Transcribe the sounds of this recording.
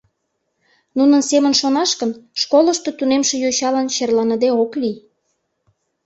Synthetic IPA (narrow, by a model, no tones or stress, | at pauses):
nunənsemənʃonɑʃkənʃkoləʃt̪ot̪unemʃejoɕɑlɑnt͡ɕerlɑnəd̪eokli